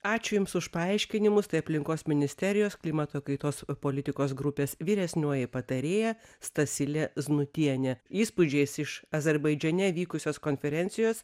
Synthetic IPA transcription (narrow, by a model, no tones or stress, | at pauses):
ɑːt͡ʃʲʊjʊmsʊʃpɐɐɪʃʲkʲɪnʲɪmʊst̪ɐɪɐpʲlʲɪŋkoːsmʲɪnʲɪsʲt̪ʲɛɾʲɪjoːsklʲɪmɐt̪oːkɐɪt̪oːspoːlʲɪt̪ʲɪkoːsɡɾʊpʲeːsʋʲiːɾʲɛsʲnʲoɔjɛɪpɐt̪ɐɾʲeːjɛst̪ɐsʲɪlʲɛznʊt̪ʲiɛnʲɛiːspʊd͡ʒʲɛɪsɪʃɐzʲɛɾbɐɪd͡ʒʲɛnʲɛʋʲiːkʊsʲoːskoːnʲfʲɛɾʲɛnʲt̪sʲɪjoːs